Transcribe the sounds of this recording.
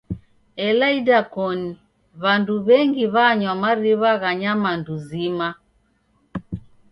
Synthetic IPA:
ɛlaidakɔni | βanduβɛŋɡiβaɲwamaɾiβaɣaɲamanduzima

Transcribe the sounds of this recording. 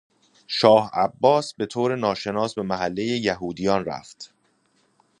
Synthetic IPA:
ʃɒːhæbːɒːsbe̞t̪ʰoːɾenɒːʃe̞nɒːsbe̞mæɦælːejejæɦuːd̪ijɒnræ̰ft̪

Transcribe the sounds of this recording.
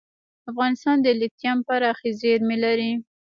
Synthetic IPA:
afɣɑnɪst̪ɑnd̪əlɪt̪jɑmpaɾɑxezeɾmelaɾi

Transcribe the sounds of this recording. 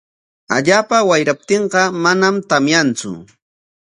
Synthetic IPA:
a̰ʎaːpawajɾap̚t̪eɴɢɑmanamt̪amjant͡sʊ̰

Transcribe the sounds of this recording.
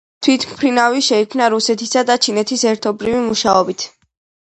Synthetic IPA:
t̪ʰwit̪ʰmpʰɾinaviʃɛikʰmnaɾusɛt̪ʰisad̪at͡ʃʰinɛt̪ʰisɛɾt̪ʰɔbɾivimuʃaɔbit̪ʰ

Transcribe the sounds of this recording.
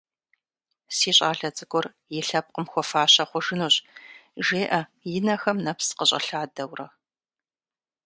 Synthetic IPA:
siːɕʼaːɬɐt͡sʼɨkʷʼɔr | jɪɬɐp̚qʼəmxʷɔfaːɕɐχʷʊʒɨnoːɕʼʒeːʔɐjɪnɐxɐmnɐpsqəɕʼɐ̰ɬaːdɐwrɐ

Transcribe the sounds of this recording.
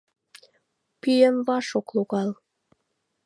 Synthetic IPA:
pyjəmβɑʃokluɣɑl

